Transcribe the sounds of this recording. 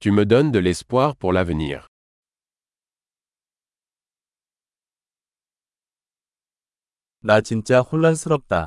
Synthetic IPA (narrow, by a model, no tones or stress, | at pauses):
t̪yməd̪ɔnd̪əlɛspwaʁpuʁlavənḭːʁ | nat͡ɕint͡ɕaxulːasɯɾʌp̚t̪a̰